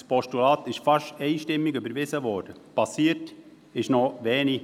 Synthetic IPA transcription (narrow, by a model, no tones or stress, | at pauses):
spɔʃtulɑːt̪ɪʃfɑʃɛɪʃtɪmːiɡybəɾʋɪsəʋɔːɾd̥əpɑsiːət | ɪʃnɔʋɛːni